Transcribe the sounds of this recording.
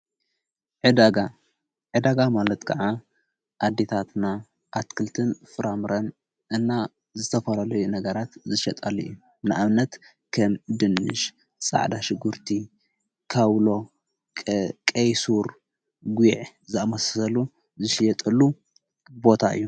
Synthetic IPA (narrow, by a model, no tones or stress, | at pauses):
ʕɨd̪aɡa | ʕɨd̪aɡamalɐt̪kʰɐʕa | ʔad̪ːe̞t̪ʰat̪na | ʔat̪kʰɨlt̪ʰɨnfɨɾamɨɾɐn | ʔɨnːa | zɨt̪ʰɐfɐlalɐjunɐɡɐɾat̪zɨʃɐt̪ʼɐlɨɨjːu | nɨʔaβnɐt̪ | kʰɐmd̪ɨnːɨ̰ʃ | sʼa̰ʕd̪aʃɪɡuɾt̪ʰi | kʰaβlo̞ | kʼɐjsuɾ | ɡiʕ | zɨamɐssɐlu | zɨʃjɛt̪ʼɐlu | bo̞t̪ʰaʔɨ̰jːu